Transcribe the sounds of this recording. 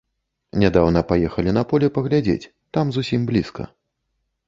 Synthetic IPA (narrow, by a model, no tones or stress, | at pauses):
nʲad̪awnɐpajɛxɐlʲinɐpɔlʲɛpɐɣlʲad͡zʲḛt͡sʲ | t̪amzusʲimblʲiskɐ̰